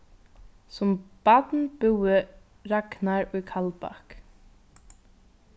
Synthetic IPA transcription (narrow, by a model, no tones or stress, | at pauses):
sʊmb̥at̪nbuwɪ | ɾaknaɹʊjkʰalpa̰k